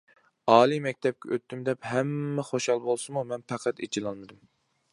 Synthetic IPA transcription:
ɑːlˠimɛk̚ʲt̪ʰɛp̚kʲʰɛʔøt̪ːymd̪ɛpɦɛmːɛχoʃhɑlˠbolˠsɨmumɛnpʰɛqʰɛt̪et͡ʃʰilˠɑlˠmɨd̪ɨm

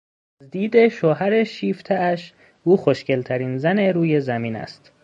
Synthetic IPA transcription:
æzd̪iːd̪e̞ʃoːɦæɾeʃiːft̪ʰææʃ | uːxoʃce̞lt̪ʰæɾiːnzæne̞ɾuːje̞zæmiːnæ̰st̪

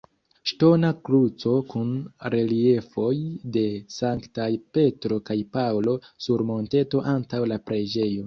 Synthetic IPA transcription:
ʃto̞nakɾut͡so̞kunɾe̞lie̞fo̞jde̞saŋktajpe̞tɾo̞kajpawlo̞suɾmo̞nte̞to̞ʔantawlapɾe̞d͡ʒe̞jo̞

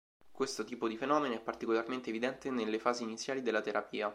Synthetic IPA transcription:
kwest̪ot̪iːpod̪ifenɔːmenoɛpːart̪ikolarmẽnt̪eːvid̪ɛnt̪enelːefaːziːnit̪sːjaːlid̪elːat̪eɾʔapiːa

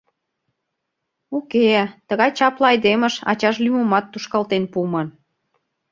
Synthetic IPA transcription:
uket̪əɣɑjt͡ɕɑplɑɑjd̪eməʃɑ̰t͡ɕɑʃ̬lymomɑt̪ːuʃkɑlt̪enpumən

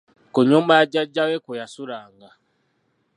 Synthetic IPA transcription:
kuɲumbajaɟaɟawekujasulaːŋɡa

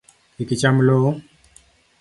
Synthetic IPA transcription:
ikit͡ʃamlo

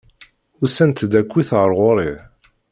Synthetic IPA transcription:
ʊsænt̪d̪ækʷːiθʁəɾˤʁoɾˤi

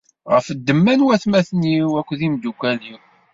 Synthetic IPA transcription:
ʁə̰fəd̪ːəmːænwæθmæθniwækʷːðimd̪ukʷːæli

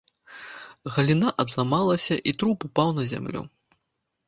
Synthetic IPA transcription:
ɣɐlʲinaʔɐd̪lˠamalˠɐsʲɐʔit̪ɾupupawnɐzʲa̰mlʲṵ

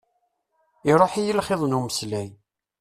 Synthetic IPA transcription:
iɾˤoħijəlχeðˤnuməslæj

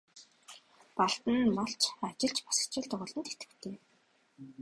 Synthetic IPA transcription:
paɮt̪ə̆nmɔɬt͡ɕat͡ɕɪ̆ɬt͡ɕpḁsə̥̆kt͡ɕʊ̆ːɮt̪ə̆χʊɮɞ̆nt̪et̪ɡɘ̥̆kt̪ʰeː

